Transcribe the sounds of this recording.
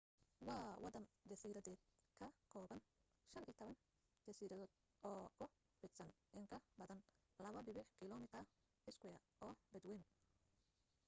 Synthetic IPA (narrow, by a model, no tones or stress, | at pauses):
wɑːwɑd̪ɐnd͡ʒɐsiːɾɐðɛːd̪kʰɐkʰɔːβɐn | ʃɐnḭːt̪ʰɔβɐn | t͡ʃɐsiːɾɐðɔːd̪̚ | ʔɔːkʰʊ | bɪt̪sɐn | ʔɪŋkʰɐbɐðɐn | lɐβɐbɪβɪħkʰɪlɔːmɪt̪ʰɐ | ɪskʊjɐʔɔːbɐd̪wɛːm